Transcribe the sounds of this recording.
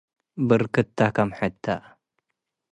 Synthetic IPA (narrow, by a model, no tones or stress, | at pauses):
bɨɾkɨt̪ʰːakɐmħɨt̪ʰːa